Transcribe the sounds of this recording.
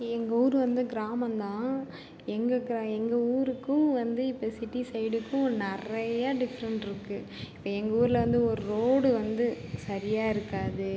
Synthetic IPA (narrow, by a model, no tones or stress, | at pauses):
ɛŋɡɐuːɾɯʋɐnd̪ɯɡɪɾaːmɐnd̪ãː | ɛŋɡɐɡɪɾaːɛŋɡɐuːɾɯkːʊ̃ʋɐnd̪ɯɪpːɐːsɪʈːisɐɪɽɯkːʊ̃nɛrɐjaːɖɪfɐɾɐɳʈɪɾɯkːɯ | ɪpːoːɛŋɡɐuːɾɪlɐʋɐnd̪ɯɔɾɯɾoːɽɯʋɐnd̪ɯsɐɾɪjaːɪɾɯkːaːðɯ